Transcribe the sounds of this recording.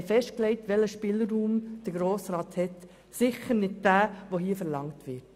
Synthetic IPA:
fɛʃtklɛɪtʋɛləʃpɪləːuːmd̥əɾɡɾoːsɾɑːthɛt | sɪχəɾnɪd̚d̥æːʋoɦiːəfəɾlɑŋtʋɪt

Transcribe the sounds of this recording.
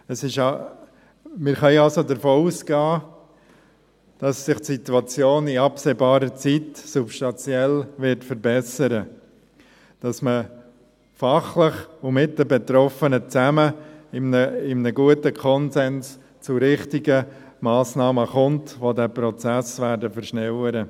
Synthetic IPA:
əsɪʃ | mɪɾχœʏɑlsodəɾfoːusɡ̥ɑː | d̥ɑsːɪχtsituɑt͡sjoːnɪɑpseːbɑːɾət͡sitsupʃtɑnt͡sjɛlvɪɾtfəɾbɛsəɾə | d̥ɑsmə | fɑχlɪχʊmɪt̚d̥əbɛtɾɔfənət͡sæməɪmnəɪmnəɡuətəkʰɔnsɛns | t͡sʊɾɪχtɪɡə | maːsnɑːməχʊntʋodæːpɾɔt͡sæsvæːɾdəfəɾʃnɛwəɾə

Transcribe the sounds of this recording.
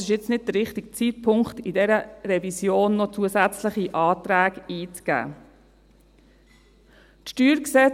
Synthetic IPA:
sɪʃjɪt͡snɪd̚d̥̪əɾɪχtik̚t͡siːt̚pʰʊŋktidɛɾəɾɛvisjoːnːɔt͡suəsæt͡sləχiʔɑːt̪ɾæːkiːt͡sɡ̥æ̰ː | tʃtyːɾksɛ

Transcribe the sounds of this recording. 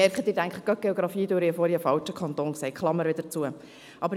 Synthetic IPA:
ɛɾkχət̪d̥̪ɪːɾæŋkχəɡ̥ɑt̚ɡ̥eɔɡɾɑfiːd̪øɾiəfɔɾiəfɑlt͡ʃəkʰχɑnt̪oːnksɛɪkχlˠɑmːəɾʋɪd̥əɾt͡suə | ʔɑbəɾ

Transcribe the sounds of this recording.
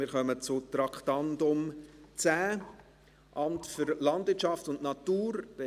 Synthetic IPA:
mɪɾχœmət͡sʊt̪ɾɑktɑndʊmt͡sæː | ʔɑmtfʏɾlɑndvɪt͡ʃɑftʊnʔnɑtuːɾd̥ɛ

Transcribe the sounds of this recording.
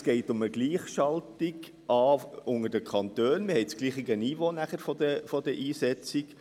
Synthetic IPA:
sɡ̥ɛɪtʊməɡliːχʃɑltiɡ | ɑːʊŋədəkʰɑnt̪øːnmɪhɛɪt͡sɡ̥liːχiɡəniːvoːnæχəɾfɔdəfɔd̥əʔiːsɛt͡sik

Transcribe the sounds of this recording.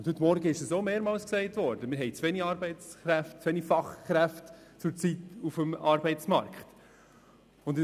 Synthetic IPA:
ʊnthɵt̪ːmɔɾɡəɪʃəsomeːɾmɑːlsksɛɪtvɔɾd̥əmɪɾɦɛɪt͡svɛniɑːɾbɛɪt͡sχɾæftt͡sʋɛnifɑχkɾæftt͡sʊɾt͡situfəmɑːɾbɛɪt͡smɑ̰ɾkχt | ʊnd

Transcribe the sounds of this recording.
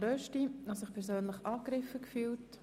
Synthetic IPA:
ɾœʃtinosɪχpʰɛɾsøːnləχʔɑːkɾɪfəkfyːlt

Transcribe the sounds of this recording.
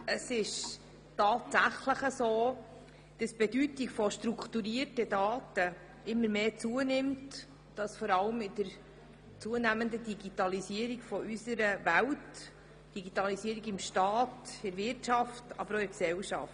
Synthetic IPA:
əsɪʃ | tɑːtsæχləχəsoː | d̥ɑsb̥ɛdytikfɔʃtɾuktuɾiəɾtəd̥ɑːtə | ʔɪmːəɾmeːt͡suənɪmt | d̥ɑsfɔɾɑləmɪdəɾ | t͡suənæməndədiɡitɑlisiəɾiɡfɔʔysəɾəvæwt | d̥iɡitɑlisiəɾiɡɪmʃtɑːtɪɾvɪɾtʃɑftɑ̰bəɾoɪksɛlʃɑ̰ft

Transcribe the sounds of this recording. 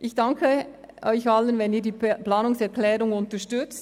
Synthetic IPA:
ʔɪçd̥ɑŋkʰə | ʔɔʏçɑlənvɛniːdiːplaːnʊŋsɛʁklɛːʁʊŋʊntəʃtʏt͡st

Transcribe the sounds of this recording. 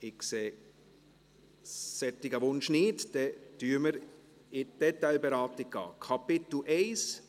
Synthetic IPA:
ɪkseː | sɛt̪ːɪɡəʋʊnʃniːtd̥ɛtyːəməɾ | ɪd̥ɛt̪aɪlbɛɾɑːtɪk̚ɡ̥ɑ̰ːkʰɑpɪt̪l̩ʔɛɪs

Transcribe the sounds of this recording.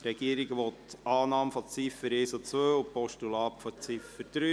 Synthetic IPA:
ɾɛɡiəɾiɡʋɔtɑːnɑːmfɔt͡sifəɾeːsot͡sʋøːʊpɔʃtulɑːpfɔt͡sifəɾd̥̪ɾy

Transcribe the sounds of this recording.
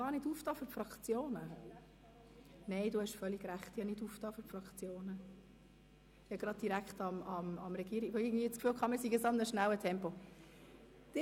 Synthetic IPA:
ɑːɾnɪduːftɑːfyɾpfɾɑkt͡sjoːnə | neɪduhɛʃfœlːiɡɾæχtjɑnɪduːftɑːfyɾpfɾɑkt͡sjoːnə | jɑɡ̥ɾɑd̚d̥iɾæktɑmɑmɑmɾɛɡiːɾiɡʋoɪɡn̩dviːət͡skfyːlkχɑmɪːsiɡəsɑmnəʃnæwətʰɛmpo | d̥ɪ

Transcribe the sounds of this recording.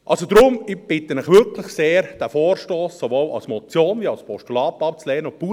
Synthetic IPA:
ʔɑlsod̥̪ɾʊmɪb̥ɪt̪ːənɪχʋʏɾklɪχseːɾd̥æfoːɾʃtoːsːoʋoːlɑ̰lsmɔt͡sjoːnviɑwspʰɔʃtulɑːpɑp̚t͡slɛːənʊpuː

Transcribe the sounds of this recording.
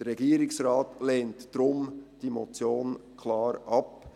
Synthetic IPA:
əɾːɛɡiːəɾɪksrɾɑːtleːntd̥ɾʊmd̥imɔt͡sjoːnkʰlɑːɾʔɑp

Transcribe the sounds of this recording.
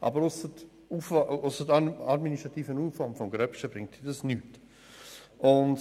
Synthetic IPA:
ʔɑ̰bəɾʊsət | ufʊsətɑdminiʃtʁɑt̪iːfənuːfɔmfɔmɡɾœpʃəbɾɪŋtid̥ɑsnyːt | ʔʊnd

